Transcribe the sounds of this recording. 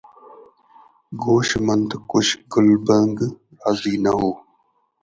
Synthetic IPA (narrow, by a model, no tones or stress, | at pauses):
ɡoːʃmənd̪kʊʃɡʊlbəŋɡ | aːziːnɐɦoː